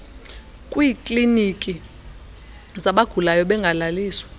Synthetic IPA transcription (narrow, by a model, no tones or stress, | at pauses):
kʼwiːkʼlinikʼi | zaɓaɡ̥ʱulajɔɓɛŋɡʱalaliːswḁ